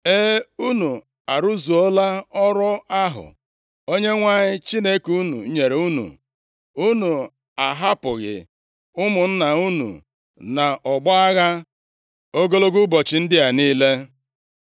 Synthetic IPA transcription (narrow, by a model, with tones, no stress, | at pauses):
e˦u˦nu˨ | a˨ɾu˦zu˨ɔ˦la˦ɔ˦ɾɔ˦a˦ɦʊ̰˨ | o˦ɲe˦ŋʷa˦˨ɲɪ˦t͡ʃi˦ne˦ku˦nṵ˨˦ɲe˨ɾe˨u˦nṵ˨ | u˦nu˨ | a˨ɦa˦pʊ˨ɣɪ̰˨ | ʊ˦mʊ˨n̩˦na˨u˦nṵ˨ | na˨ʔɔ˨ɡ͡bɔ˦a˦ɣa˦ | o˦ɡo˦lo˦ɡu˦bɔ˨t͡ʃɪ˨n̩˦dɪ˦a˨niː˦le˦